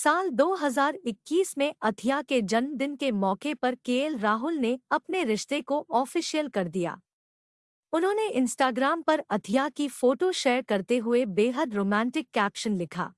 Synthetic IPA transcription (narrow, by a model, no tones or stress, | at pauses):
saːld̪oːɦɐzaːɾɪkːiːsmẽɐt̪ʰijaked͡ʒɐnmd̪ɪnkemɔːkepɐɾkeːlɾaːɦʊlneɐpneɾɪʃt̪ekoʔɔːfiːʃijəlkɐɾd̪ija̰ː | ʊnɦõːneʔɪ̃nsʈaːɡɾaːmpɐɾɐt̪ʰijakifoːʈoʃeːɾkɐɾt̪eɦʊebeːɦəd̪ɾoːmɛ̃ːɳʈɪkːɛːpʃənlɪkʰa̰ː